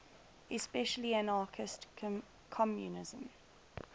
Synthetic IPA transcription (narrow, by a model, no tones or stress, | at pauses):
ɪspɛʃəliə̃nɑːˑkʰɪst | kʰɔmjṵnɪzə̃m